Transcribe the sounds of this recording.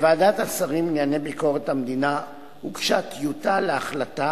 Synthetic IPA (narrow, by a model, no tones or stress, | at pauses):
vaːdat̪asaʁimneanebiko̞ʁet̪hamd̪ina | hukʃat̪jut̪aleaχlat̪a